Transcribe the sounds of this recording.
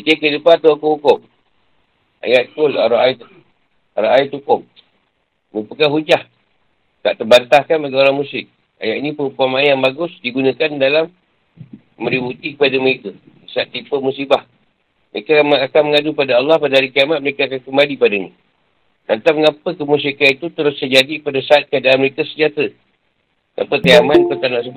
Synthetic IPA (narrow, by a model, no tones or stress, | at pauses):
ikəkədupat̪awakahukʊm | a̰jaʔ̚kʊlaɾaʔait̪ | a̰ɾaʔait̪ukʊm̚ | məepəkaɦud͡ʒah | ka̰ʔt̪ərbant̪ahkanpaɡioɾaŋmusɪk̚ | a̰jaʔinĩpəɾumpamanjaŋbaɡʊsdiɡunakandalamː | ə̃ɾibut̪ikəpadaməɾeka | isaat̪ːipəmusibah | mə̰ekaakanməŋadupadaɑlːɑhpadaɦaɾikiamat̪̚məɾekaakankəmbalipadaɲa | nant̪aməŋapəkəmus̬ikanit̪ut̪əɾʊst̪əd͡ʒadipadasaat̪̚kədalaməɾekasəɲd͡ʒat̪ɾə | ŋa̰pət̪əamanpərt̪anaʔsəb